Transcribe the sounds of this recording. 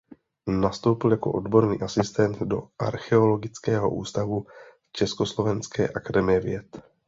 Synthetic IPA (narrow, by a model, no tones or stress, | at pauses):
nast̪o̞wpɪljako̞ʔo̞dbo̞ɾnḭːʔasɪst̪ɛnd̪do̞ʔa̰ɾxɛo̞lo̞ɡɪt͡skɛːɦo̞̰ʔṵːst̪avu | t͡ʃɛskoslo̞vɛnskɛ̰ːʔakadɛmɪjɛvjɛt̪